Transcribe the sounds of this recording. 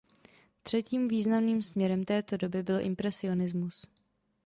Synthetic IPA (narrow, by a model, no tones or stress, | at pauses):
t̪r̥ɛciːmviːznamniːmsmɲɛɾɛmt̪ɛːt̪o̞do̞bɪbɪlʔɪ̰mpɾɛsɪo̞nɪzmus